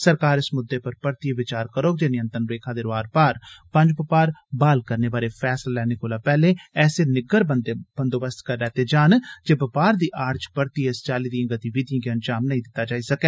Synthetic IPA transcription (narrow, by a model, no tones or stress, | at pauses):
səɾkaːɾɪsmʊd̪ːeːpəɾpəɾt̪iʋɪt͡ʃaːɾkəɾoːɡ̚d͡ʒeːnɪjə̃nt̪ənɾeːkʰãːd̪eːɾaːɾpaːɾpə̃ɲd͡ʒpəpaːɾbaːlkəɾneːbaːɾeːpʰɛːslalɛːnekoːlaːpɛːlẽːɛːseːnɪɡəɾb̪b̥ənd̪oːbəst̪kəɾːɛːt̪eːd͡ʒaːnd͡ʒeːbəpaːɾd̪iːʔaːɾd͡ʒpəɾt̪iːest͡ʃaːliːd̪ĩɡət̪ibiːd̪ijãːɡeənd͡ʒaːmnəɦĩd̪ɪt̪ːaːd͡ʒaːiːsəkeː